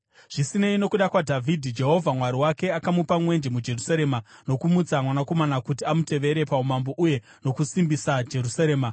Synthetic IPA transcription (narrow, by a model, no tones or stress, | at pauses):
ʐ̥isine̞ino̞kuɗakwadʱavʱidʱid͡ʒe̞ɦo̞vʱamwaɾiwake̞akamupamwe̞nd͡ʒe̞mud͡ʒe̞rusaɾe̞ːmano̞kumud͡zamwanako̞manakutiamute̞ʋe̞ɾe̞paumamboʔuje̞ | no̞kusimbisad͡ʒe̞ɾusaɾe̞ːma